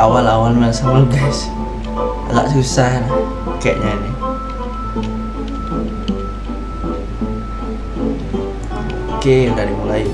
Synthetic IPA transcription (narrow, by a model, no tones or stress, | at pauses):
awalawalmalsamaɡɛs | a̰la̰ʔsusahla | kɛʔɲani | okedadimulai